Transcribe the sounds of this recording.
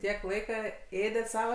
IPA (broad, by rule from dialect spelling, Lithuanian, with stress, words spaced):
ˈtʲiɛk ˈlˠɐɪkɐ ˈeːdʲɛt ˈsɑːʋɐ